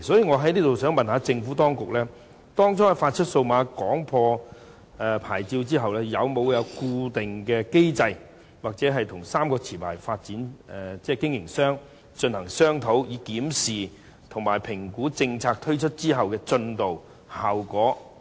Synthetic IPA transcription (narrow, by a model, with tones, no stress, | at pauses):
sɔː˨˥jiː˨˧ŋɔː˨˧ɦɐ˨˥jliː˥t̪o˨wsœː˨˥ŋmɐ˨nhaː˨˧t͡sɪ˧ŋfuː˨˥t̪ɔː˥ŋkʊ˨k̚lɛː˥ | t̪ɔː˥ŋt͡sʰɔː˥faː˧t̚t͡ʃʰɵ˥t̚so˧wmaː˨˧kɔː˨˥ŋpʰɔː˧ | ɛ˨˧pʰa̰ː˨˩jt͡siː˧wt͡siː˥ɦɐ˨wlɛː˥jɐ˨˧wmo˨˧wjɐ˨˧wkuː˧t̪ɪ˨ŋkɛː˧ke˥jt͡sɐ˧j | waː˨k̚t͡sɛː˨˥ɦɐ˨jt̪ʰʊ˨˩ŋsaː˥mkɔː˧t͡sʰiː˨˩pʰaː˨˩jfaː˧t̚t͡siː˨˥nɛ˨˩t͡sɛː˥˩kɪ˥ŋjɪ˨˩ŋsœː˥ŋ | t͡ʃɵ˧nhɐ˨˩ŋsœː˥ŋt̪ʰo˨˥wjiː˨˧kiː˨˥msiː˨ | t̪ʰʊ˨˩ŋmaː˨˩jpʰɪ˨˩ŋkuː˨˥t͡sɪ˧ŋt͡sʰaː˧k̚t̪ʰɵ˥ɥt͡ʃʰɵ˥t̚t͡siː˥ɦɐ˨wkɛː˧t͡ʃɵ˧nt̪o˨w | haː˨wkɔː˨˥